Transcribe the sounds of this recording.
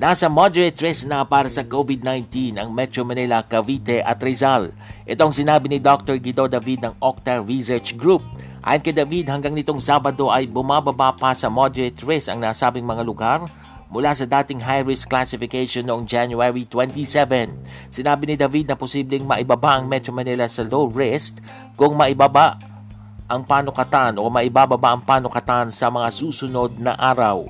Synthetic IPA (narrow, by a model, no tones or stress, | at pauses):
nasɐmod̪ɛɹɛt̪ːɹɛsnɐpaːɾɐsɐkovɪd̪̚najnt̪inɐŋmɛt̪ɾomɐnilɐkɐvit̪ɛʔɐ̰t̪ɾɛzal | ʔɛt̪oɐŋsɪnaːbɪnɪd̪ok̚t̪oɹɡid̪od̪ɐvid̪̚nɐŋok̚t̪ɐɹisɛɹt͡ʃɡɹup̚ʔʔa̰ːjonkɐjd̪ɐvid̪hɐŋɡaŋnɪt̪o̞ŋsaːbɐd̪o̞ʔɐjbʊmabɐbapɐsɐmod̪ɛɹɪt̪ːɹɛsɐ̰ŋnaːsaːbɪŋmɐŋalʊɡaɾ | mʊlasɐd̪aːt̪ɪŋɦajɹɪsklasɪfɪkejʃonːoʔoŋd͡ʒanjʊɛɹit̪wɛnt̪isɛvɛn | sɪnaːbɪnɪd̪ɐvid̪̚nɐpʊsiblɪŋmɐʔɪbɐbaʔɐŋmɛt̪ɾomɐnilɐsɐloɹɛst̪̚ | kʊŋmɐʔɪbabaʔ | ʔɐŋpaːnokɐt̪anʔomɐʔɪbaːbɐbaʔɐŋpaːnʊkɐt̪ansɐmɐŋasuːsʊno̞d̪̚nɐʔaːɾɐw